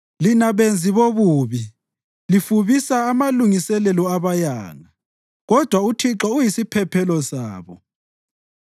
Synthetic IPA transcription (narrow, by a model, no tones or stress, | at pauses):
linaβend͡zʱiβoβuːβi | lifuβisaːmaluŋisɛlɛlɔaβajaːŋa | ɣɔd̥ʱwautʰiǁɔujisipʰɛpʰɛlɔsa̰ːβɔ̰